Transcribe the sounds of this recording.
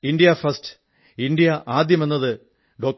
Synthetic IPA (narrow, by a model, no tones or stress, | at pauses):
iɳɖijɐfɐst | iɳɖijɐʔaːd̪jɐme̞nːɐðɨ | ɖo̞ːk̚